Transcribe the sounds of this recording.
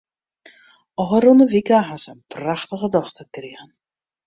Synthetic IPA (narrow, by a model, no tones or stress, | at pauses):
ɔχəɾɔnəʋikaɦasənpraχtəɣədɔχtərkriːɣən